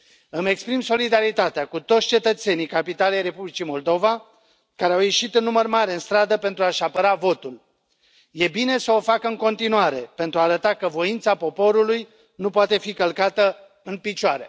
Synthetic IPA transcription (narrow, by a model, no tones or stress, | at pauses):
ɨme̞kspɾimso̞lid̪aɾit̪at̪eakut̪o̞t̪sʲt͡ʃe̞t̪ət̪se̞nijkapit̪alejre̞publit͡ʃimo̞ld̪o̞va | kaɾeawje̞ʃit̪unːumərmaɾeɨnst̪ɾad̪əpe̞nt̪ɾuaʃapəɾavo̞t̪ul | je̞bine̞səo̞fakəɨŋko̞nt̪inuaɾe̞pe̞nt̪ɾuaːɾət̪akəvo̞int̪sapo̞po̞ɾuluj | nupoat̪e̞fikəlkat̪ə | ɨnpit͡ʃoaɾe̞̰